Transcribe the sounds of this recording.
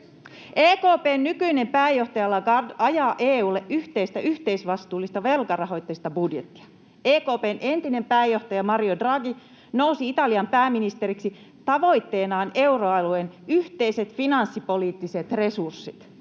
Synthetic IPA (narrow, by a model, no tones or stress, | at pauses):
ʔeːkoːpeːnːykyine̞mpæːjo̞ht̪ɑjɑlːɑɑɑjɑːʔeːuːlːeʔʔyht̪eist̪æyht̪e̞isʋɑst̪uːlːist̪ɑʋe̞lkɑrɑɦo̞jt̪ːeist̪ɑbudjet̪ːi̥ɑ | eːko̞ːpe̞ːnʔe̞nt̪ine̞mpæːjo̞ht̪ɑjɑmɑriodrɑɡi | no̞uwsiit̪ɑliɑmpæːminist̪e̞ɾiksi | t̪ɑʋo̞jt̪ːe̞ːnɑːne̞wro̞ɑluenyht̪e̞ise̞t̪finɑnsːipo̞liːt̪ːise̞t̪re̞sursːit̪